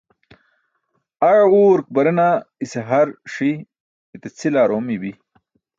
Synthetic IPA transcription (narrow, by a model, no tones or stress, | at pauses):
ɐɻuːɾk̚bɐɾɐnaiseɦɐɾʂiː | t̪et͡sʰilaːɾoːmibi